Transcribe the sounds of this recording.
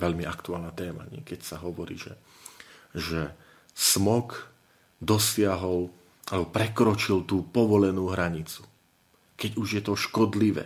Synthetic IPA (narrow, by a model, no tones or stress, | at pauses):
ʋɛʎmiakt̪uaːlnaːt̪ɛːma̰ɲɪɛkɛcsaɦɔʋɔɾḭːʒɛ̰ | ʒɛ | smɔk | d̪ɔsɪaɦɔl | alɛbɔpɾɛkɾɔt͡ʃilt̪uːpɔʋɔlɛnuːɦɾaɲit͡su̥ | kɛɟuʒjɛt̪ɔʃkɔd̪liʋɛ̰ː